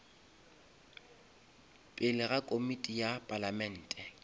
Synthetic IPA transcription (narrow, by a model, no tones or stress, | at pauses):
pʼɪlɪɣakʼomitʼijapʼalamɛn̩ːtʼɛ